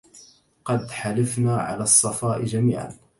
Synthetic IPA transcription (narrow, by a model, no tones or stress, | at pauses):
qɑd̪ħalafnaːʕa̰laːsˤːɑfɑːʔɪd͡ʒamiːʕa̰n